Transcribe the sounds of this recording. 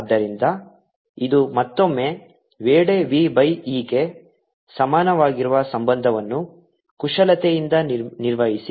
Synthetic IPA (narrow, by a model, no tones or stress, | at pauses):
d̪ːɐɾind̪ɐ | id̪umɐt̪ːo̞mːe̞ | ʋeːɽe̞ʋiːbɐjiːke̞ | sɐmaːnɐʋaːɡiɾuʋɐsɐmbɐnd̪ʱɐʋɐnːu | kuʂɐlɐt̪ejind̪ɐniɾʋɐɦisi